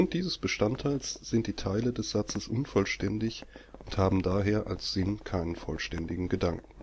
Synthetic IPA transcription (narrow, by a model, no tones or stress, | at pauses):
ʊnt̚d̥iːzəsb̥əʃtantʰaɪlsz̥ɪnt̚d̥iːtʰaɪlədɛsz̥at͡səsʔʊnfɔlʃtɛndɪçʊnthaːbm̩daːɦeːɐʔalsz̥ɪnkʰaɪnənfɔ̰lʃtɛndɪɡŋ̩ɡədaŋkŋ̩